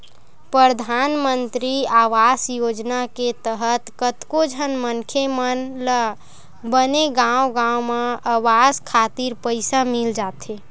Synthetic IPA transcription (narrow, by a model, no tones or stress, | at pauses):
pɾəd̪ʱanmənt̪ɾiaʋasjod͡ʒnaket̪əɦət̪kət̪kod͡ʒʱənmənkʰjemənlə | bəneɡãwɡãwmeaʋaskʰat̪iɾpəɪsamild͡ʒat̪e